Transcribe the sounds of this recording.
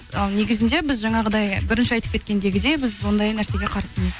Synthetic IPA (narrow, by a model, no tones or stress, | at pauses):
ɑlˠne̞ɡʲɪzɪnd̪e̞bɪzʒɑɴɑʁəd̪ɑjbɪɾɪnʃɪɑjt̪əp̚kʰʲe̞t̪̚kʲe̞nd̪e̞ɡʲɪd̪e̞bɪzwo̞nd̪ɑjnæɾse̞ɡʲe̞qʰɑɾəsəməz̥